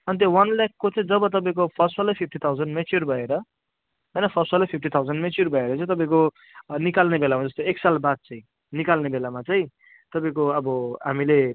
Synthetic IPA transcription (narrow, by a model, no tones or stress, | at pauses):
ʌnit̪jowʌnlakːot͡saĩd͡zʌbʌt̪ʌp̬ãĩkopʰʌsalapʰip̚ʰʈit̪ʰawd͡zʌnɖmet͡sjurbʱʌeɾʌ | ɦʌjnʌpʰʌsalajpʰip̚ʰʈit̪ʰawd͡zʌnɖmet͡surbʱʌeɾʌt͡saĩt̪ʌp̬aĩko | nikalnebelamad͡zʌst̪oeksalbad̪̚t͡saĩ | nikalnebelamat͡saĩ | t̪ʌpaĩkoʌbʌɦa̰mile